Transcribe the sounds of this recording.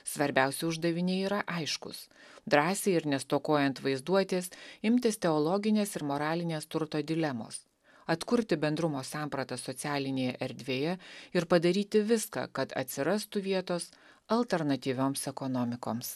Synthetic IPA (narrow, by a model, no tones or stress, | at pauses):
sʋɐɾʲbʲæˑʊsʲɛʊʒd̪ɐʋʲɪnʲɛiːɾɐʔɐɪʃkʊ̰sd̪ɾɑːsʲeːɪɾnʲɛst̪oːkoːjɛnt̪ʋɐɪzd̪uɔt̪ʲeːsɪmʲt̪ʲɪst̪ʲɛɔlˠɔɡʲɪnʲeːsɪɾmoːɾɑːlʲɪnʲeːst̪ʊɾt̪oːd̪ʲɪlʲɛmo̰ːs | ɐt̪kʊɾʲt̪ʲɪbʲɛnd̪ɾʊmoːsɑːmpɾɐt̪ɐsɔt̪sʲæːlʲɪnʲeːjɛʔɛɾʲd̪ʲʋʲeːjɛɪɾpɐd̪ɐɾʲiːt̪ʲɪʋʲɪskɑ̰ːkɐt̪ɐ̰t̪ʲsʲɪɾɐst̪ʊʋʲiɛt̪oːs | ɐlʲˠt̪ʲɛɾnɐt̪ʲiːʋʲoːmsɛkɔnɔːmʲɪkoːms